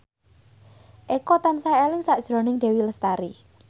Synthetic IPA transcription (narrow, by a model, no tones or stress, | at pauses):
ʔekɔt̪ansaelɪŋsaʔd̥ʒ̥ɾo̤nɪŋd̪̥e̤wiləst̪aɾi